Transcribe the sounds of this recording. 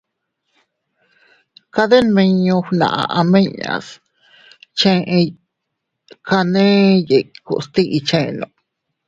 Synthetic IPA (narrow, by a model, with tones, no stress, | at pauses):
ka˧ðe˦nmẽ˧ɲõ˧hnã̰˨ʔa̰˧ʔa˧mẽ˦ɲa̰˨s | t͡ʃẽ˦ʔ | ka˧nẽ˦je˨kṵ˧st̪i˦ʔi˧t͡ʃẽ˦˧nõ̰˧